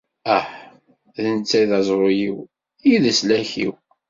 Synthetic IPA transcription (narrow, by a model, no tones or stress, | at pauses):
æħ | ðənt͡sːæjðɑzˤɾojiw | iðəslæçḭw